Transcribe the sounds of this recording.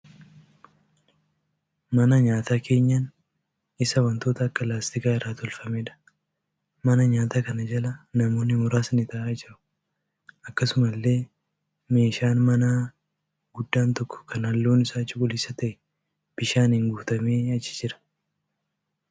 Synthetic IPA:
mɐnɐɲaːt̪aːkʰe̞ːɲːɐn | ɪsɐwɐnt̪o̞ːt̪ɐːkːɐlaːst̪ɪkaːɪrːaːt̪ɔlfɐmeːᶑɐ̥ | mɐnɐɲaːt̪aːkɐnɐd͡ʒɐlɐnɐmo̞ːnːɪmʊɾaːsɐnɪt̪aːʔaːd͡ʒɪɾʊ̥ | ɐkːɐsʊmɐlːe̞ː | me̞ːʃaːnmɐnaː | ɡʊd̪ːaːnt̪ɔkːɔ̥kʰɐnɐlːoːnɪsaːt͡ʃʼʊkʊlɪsɐt̪ɐʔɛ | b̥ɪʃaːnɪŋɡuːt̪ɐme̞ːɐt͡ʃːɪ̥d͡ʒɪɾɐ̥

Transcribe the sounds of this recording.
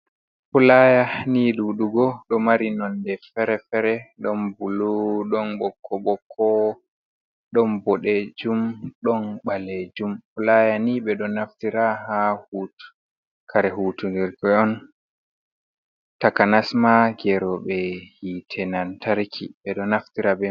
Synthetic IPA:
fulajaniɗuɗuɡɔɗɔmaɾinɔndɛfɛɾɛfɛɾɛɗɔnbuluɗɔnɓɔkʰːɔɓɔkʰːɔ | ɗɔnbɔɗed͡ʒumɗɔnɓaled͡ʒumfulajaniɓɛɗɔnaftiɾaɦahuːtu̥ | kʰaɾɛɦuːtudɛɾɡɔɔn | takanasmaɡɛɾɔɓɛhitʰɛnantaɾkʰḭɓɛɗɔnaftiɾabɛ

